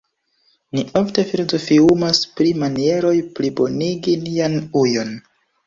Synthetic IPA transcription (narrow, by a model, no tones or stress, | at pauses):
niʔo̞fte̞filo̞zo̞fiumaspɾimanie̞ɾo̞jplibo̞niɡinianujo̞n